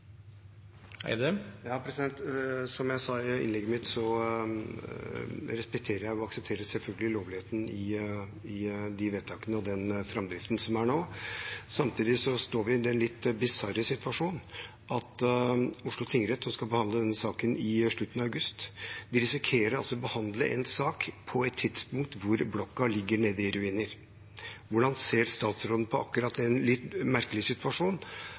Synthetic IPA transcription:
hæ̰ɪd̪ɛjɑːpʰɾɛsɪd̪ɛnt̪sɔmjæɪsɑːɪ̰nlɛɡːəmɪt̪sɔ | ɾɛspɛk̚t̪ʰeːɾəɾjæɪʊɑksɛp̚t̪ʰeːɾəsɛlfœlɡəlɪloːʋlɪheːt̪ənɪɪd̪ɪʋeːt̪ʰɑːkənəɔd̪ɛnfɾɑmd̪ɾɪft̪ən̩sɔmæɳoːsɑmt̪ʰiːd̪ɪsɔst̪oːɾʋɪd̪ɛnlɪt̪ːbɪsɑɾəsɪt̪ʋɑʂuːn | ʔɑt̪ | ʊʂɭʊt̪ʰɪŋəɾɛt̪sɔmskɑlbəhɑnd̪ləd̪ɛnːəsɑːkənɪʂɭʉt̪ənɑœʉɡʉst̪ʋɪɾɪsɪkʰeːɾəɾɑlsɔbəhɑnd̪ləʔɛ̰nsɑːkpʰɔɛt̪ʰːɪd̪spʊŋk̚t̪ʋʊɾblɔkːɑlɪɡːəɳeːd̪ɪɪɾʉiːnəɾ | ʋʊɖɑnseːɾst̪ɑːt̪sɾoːd̪n̩pʰɔʔɑkːʉɾɑt̪ːɛnlɪt̪mæɾkəlɪsɪt̪ʉɑʂuːn

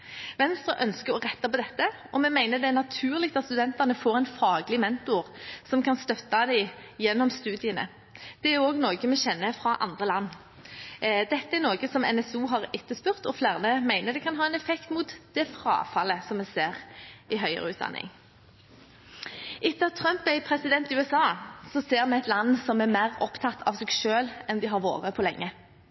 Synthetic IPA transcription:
ʋɛnst̪ɾʁəʔœnskəʁɔʁɛt̪ːɑpɔd̪ɛt̪ːə | ɔmɛmæɪnəd̪ɛæʁnɑt̪ʰʉːʁlɪk̚t̪ɑt̪st̪ʉd̪ɛnt̪ɑnəfoːɾɛɪnfɑːɡlɪmɛnt̪ʊʁsɔmkʰɑnst̪œt̪ːɑd̪æɪjɛnːɔmst̪ʉːd̪ɪənə̰ | d̪̥ɛæʊoːɡnoːɡəmɛɕɛnːəfʁɑʔɑ̰nd̪ʁəlɑnː | d̪ɛt̪ːəæʁnoːɡəsɔmɛ̰nɛsuːɦɑʁɪt̪ːəspʉʁt̪ɔflæːʁnəmæɪnəd̪ɛkʰɑnɦɑːɛnɛfɛkt̪muːt̪d̪̥ɛfʁɑ̰ːfɑləsɔmːɛseːʁɪɦœʏə̰ʁəʉːt̪d̪ɑ̰nːɪ̰ŋ | ʔɪt̪ːɑt̪ʰʁœmpæɪpʰʁɛsɪd̪ɛnt̪ɪʉːɛsɑːsɔseːʁmɛæɪt̪lɑnːsɔmæmæːʁɔpt̪ʰɑt̪ʰɑ̰ʋsɛːɡʃøːlɛnd̪ɪɦɑʁʋo̰ːʁəpʰɔlɛŋːə

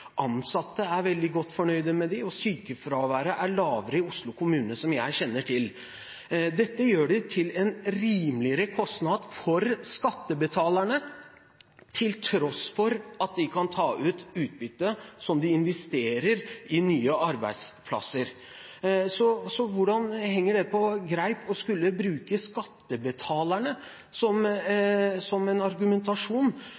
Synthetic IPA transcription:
ʔɑnsɑt̪ːəæɾʋɛld̪ɪɡɔt̪ːfɔɳœʏd̪əmɛd̪ɪɔsyːkəfɾɑʋæːɾəʔæɭɑːʋəɾəɪʊslʊkʰʊmʉːnəsɔmjæɪɕɛnːəʈʰɪl | d̪ɛt̪ːəjøːɖɪt̪ʰɪlɛnɾiːmlɪəɾəkʰɔst̪nɑd̪fɔɾskɑt̪ːəbət̪ʰɑːlæɳə | t̪ʰɪlt̪ʰɾɔsfɔɾɑt̪̚d̪ɪkʰɑnt̪ʰɑːʔʉːt̪ʉːt̪̚bʏt̪ːəsɔmd̪ɪɪnʋɛst̪eːɾəɾɪnyːəɑɾbæ̰ɪd̪spʰlɑ̰səɾ | sɔsɔʋʊɖɑnhɛŋːəɖɛpʰɔɡɾæɪpʰɔskʉlːəbɾʉːkəskɑt̪ːəbət̪ʰɑːlæɳə | sɔm | sɔmɛnɑɾɡʉmɛnt̪ɑʂuːn

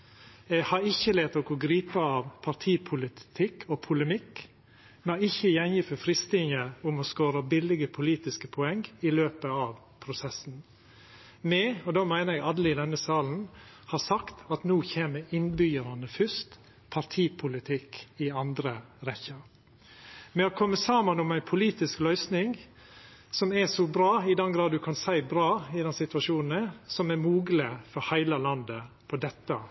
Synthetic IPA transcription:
jɛhɑɾɪçːəleːt̪ɔkɔɡɾiːpəɑːʋpʰɑɾt̪ʰiːpʰʊlɪt̪ʰɪkʰɔpʰʊləmɪk | mɛæɪçːəjɛnjɪfɔfɾɪst̪ɪŋəʊmɔskoːɾəbɪlɪɡəpʰʊliːt̪ɪskəpʰɔɛŋɪløːpəɑʋ | pʰɾʊsɛsn̩ | mɛɔd̪oːmæɪnəɾɛɡɑd̪lɪd̪ɛnəsɑːln̩ | hɑsɑkt̪ɑt̪nuːçeːməɪnbʏjəɾɑnəfʏst̪ | pʰɑɾt̪ʰiːpʰʊlɪt̪ʰɪkɪɑnd̪ɾəɾɛçəɾ | mɛɔkʰɔmːəsɑːmɑnʊmæɪnpʰʊliːt̪ɪsklœʏsnɪŋ | sɔmɛsɔbɾɑːɪd̪ɛnɡɾɑːd̪d̪ʉkʰɑnsæɪbɾɑːɪd̪ɛnsɪt̪ʉʋɑʂuːnn̩ɛsɔmɛɾmuːɡlɪfɔɾhæɪlɑlɑnd̪əpʰɔd̪ɛt̪ːə

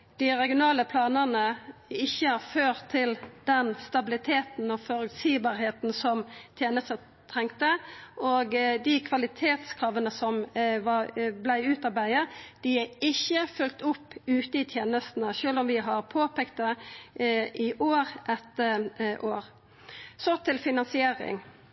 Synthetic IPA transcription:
d̪̥ɪʁɛɡɪʊnɑːləpʰlɑːnəʁnəɪçːəhɑʁføːʁt̪ʰːɪld̪̥ɛnst̪ɑbɪlɪt̪ʰeːt̪n̩ɔfɔɾʉt̪siːbɑːɾheːt̪n̩sɔmt̪ʰjeːnəst̪ə | t̪ʰɾɛŋkt̪əʔoɡd̪ɪkʰʋɑlɪt̪ʰeːt̪skʰɾɑːʋənəsɔmʋɑblæɪʉːt̪ɑbæɪəd̪̥ɪɪçːəfʉlt̪ʊpːʉːt̪əɪt̪ʰjeːnəst̪n̩əʃøːlɔmʋɪɦɑɾpʰoːpʰeːk̚t̪̚d̪ə | ʔɪʔoːʁʔɛt̪ːəʔoːɾ | sɔt̪ʰɪlfɪnɑnsɪeːɾɪ̰ŋ

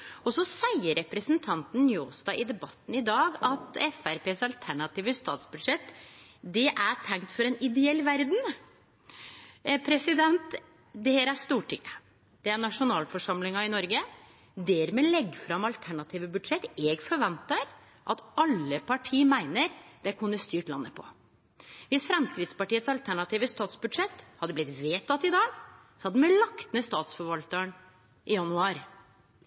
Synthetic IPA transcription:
ɔsɔsæɪəɾɛpɾəsnt̪ʰɑnt̪n̩njoːst̪ɑʔɪd̪ɛbɑt̪ːn̩ɪd̪ɑːɡɑt̪ɛfæɾpeːsɑlt̪ʰæɳɑt̪iːʋəst̪ɑ̰ːt̪sbʉd̪ʂɛt̪ː | d̪ɛʔæʈʰɛŋt̪fɔɾɛnɪd̪ɛɛlːʋæɾd̪n̩ | pʰɾɛsɪd̪ɛnt̪ | d̪ɛhɛɾæɾst̪uːʈʰɪ̰ŋːə | d̪̥ɛæɳɑʂʊnɑːlfɔʂɑmlɪŋɑɪnɔɾɡə | d̪ɛɾmɛːlɛɡːfɾɑmɑlt̪ʰæɳɑt̪ʰiːʋəbʉd̪ʂɛt̪ːɛɡfɔɾʋɛnt̪ɑɾ | ʔɑt̪ɑlːəpʰɑʈʰiːmæɪnəɾd̪̥ɛkʰʉnːəst̪yːʈlɑnːəpʰɔ̰ | ʋɪsfɾɛmskɾɪt̪spɑʈiːət̪sɑlt̪ʰæɳɑt̪iːʋəst̪ɑːt̪sbʉd̪ʂɛt̪ːhɑd̪əblɪt̪ʋeːt̪ʰɑt̪ːɪd̪ɑːɡ | sɔhɑd̪əmɛlɑkt̪ənəst̪ɑːt̪sfɔɾʋɑlt̪əɳ | ʔɪjɑnʉɑːɾ

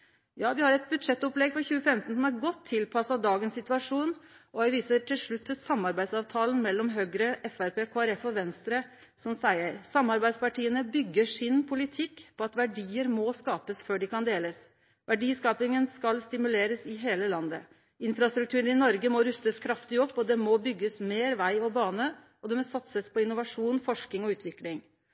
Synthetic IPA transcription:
jɑːʋɪhɑɾɛt̪̚bʉd̪ʂɛt̪ːɔplɛɡfɔɾçʉːəfɛmt̪n̩sɔmæɾɡɔt̪ʰːɪlpʰɑsɑd̪ɑːɡənsɪt̪ʉɑʂuːnʔɔʋæɪʋiːsəʈʰɪlʂɭʉt̪ʰːəsɑmːɑɾbæɪsɑʋt̪ʰɑːlənmɛlːɔmɦøːɡɾəʔɛfæɾpeːkʰoːæɾɛfɔʋɛnst̪ɾə | sɔmsæɪəɾsɑmːɑɾbæɪd̪spɑʈiːənəbʏɡːəʂɪnpʰʊlɪt̪ʰɪkːpʰɔɑt̪ʋæɖiːəɾmɔskɑːpəsføːɖɪkɑnd̪eːləs | ʋʔæɖiːskɑːpɪŋənskɑlst̪ɪmʉleːɾəsɪɦeːləlɑnd̪ə̰ | ɪnfɾɑst̪ɾʉk̚t̪ʉːɾən̩ɪnɔɾɡəmɔɾʉst̪əskʰɾɑft̪ɪɔpːɔd̪ɛmɔbʏɡːəsmeːɾʋæɪɔbɑːnə | ɔd̪ɛmɔsɑt̪səspʰɔɪnʊʋɑʂuːnfɔʂkɪŋɔʉːt̪ʰʋɪklɪŋ

